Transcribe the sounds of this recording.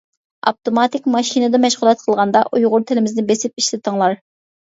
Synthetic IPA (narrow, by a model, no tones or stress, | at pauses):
ɑ̰p̚t̪omɑt̪ɪkʲmɑʃinɨd̪ɛmɛʃʁʊlˠɛt̪̚qʰəlˠʁɑnd̪ɑʔujʁʊɾt̪ʰɪlɪmɪznɪbesɪp̚iʃlɪt̪ʰəŋlˠɑɾ